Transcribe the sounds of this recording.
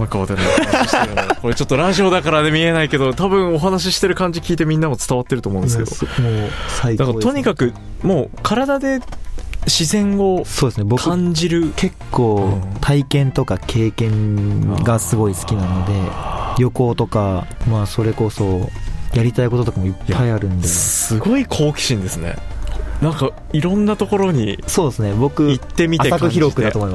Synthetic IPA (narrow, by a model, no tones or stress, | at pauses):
akaβat̪aɾna | koɾet͡ɕo̞t̪ːoɾaʑio̞d̪akaɾad̪e̞mʲie̞naike̞d̪o̞t̪abɯ̟̃ɰ̃o̞ɦanaɕ̬iɕi̥t̪e̞ɾɯ̟kãɲ̟d͡ʑikʲiːt̪e̞mʲĩnːamot͡sɨ̥t̪aβat̪ːeɾɯt̪omõneskḛomoːsaid̪akao̞ɲ̟ikakɯ̟ | mo̞ːkʰaɾad̪ad̪e̞ | ɕizẽ̞ŋo̞so̞ːd̪esɨne̞bo̞kkɯãɲd͡ʑiɾɯ̟kʰe̞kʰːo̞ːt̪ʰaikẽ̞nt̪o̞kakʰe̞ːkẽ̞ŋɡasɨɡo̞isɨ̥kʲinano̞d̪e̞jo̞ko̞ːt̪o̞kamaːso̞ɾe̞ko̞so̞jaɾʲit̪aiko̞t̪ot̪okamoipʰːaiaɾɯ̟̃nd̪esɨɡo̞ikʰo̞ːkʲi̥ɕĩnd̪e̞sɨnḛnãŋka | iɾõ̞nːat̪o̞ko̞ɾo̞ɲ̟iso̞ːd̪esɨne̞bo̞kɯ̟it̪ːe̞mʲiaesakoçiɾo̞kɯd̪at̪omoima